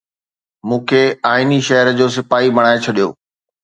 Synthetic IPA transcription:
mũːkʰeaːɪniʃɐɦəɾəd͡ʑoːs̬ɪfaːɦibɐɽ̃aːet͡ɕʰɐɗijo̰ː

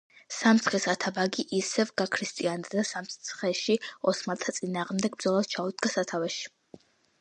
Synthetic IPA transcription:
samt̪sʰχisat̪ʰabaɡiʔisɛvɡakʰɾist̪ʼiand̪ad̪asamsʰχɛʃiɔsmat̪ʰat̪sʼinaːʁmd̪ɛɡbd̪zɔlˠad̪̥̚t͡ʃʰaud̪ɡasat̪ʰavɛʃi̥

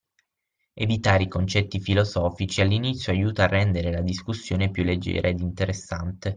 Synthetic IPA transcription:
evit̪aːɾeikont͡ʃɛt̪ːifilozɔːfit͡ʃialːinit̪sjoajuːt̪aːrːɛnd̪eɾelad̪iskusːjoːnepjulːed͡ʒːɛ̰ːɾʔaed̪int̪eɾesːant̪e

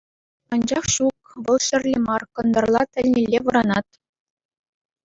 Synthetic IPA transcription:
ɑnd͡ʑɑχɕuk | ʋɤ̆lˠɕɘ̆rʲlʲemɑrkɤ̆nd̪ɤ̆rlˠɑt̪ʲɘ̆lʲnʲelʲːeʋɤ̆ɾɑnɑt̪

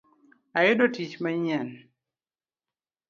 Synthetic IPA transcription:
ajɪdotit͡ʃmaɲɛn

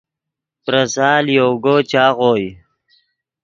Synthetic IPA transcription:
pɾɐsɑːljoːɡot͡ɕaːɣoːj

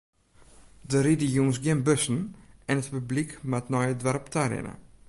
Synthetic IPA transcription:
dəɾidijunsɡjɪnbøsn̩ɛnətpyblikmatnɔjədʋaɾɔptʰaɾɪ̰nə̰

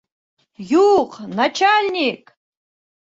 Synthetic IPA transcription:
juqʼnat͡ʃʰalʲnʲikʼ

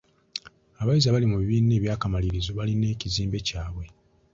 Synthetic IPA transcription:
aβajizaβalimuβiβiːnːe̞ːβjaːkamaliɾizoβaline̞ːciziːmbe̞caːβwe̞

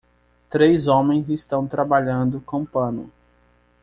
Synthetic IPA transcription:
t̪ɾejzõmẽj̃zist̪ɐ̃w̃t̪ɾabaʎɐ̃nd̪ʊkõw̃pɐ̃nʊ̰

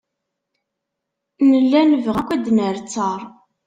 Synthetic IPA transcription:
nəlːænəvʁækʷːæd̪nəɾt͡sːəɾˤ

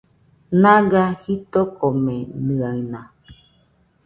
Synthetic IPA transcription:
nãɡahit̪okomẽnɨ̃aɨnã

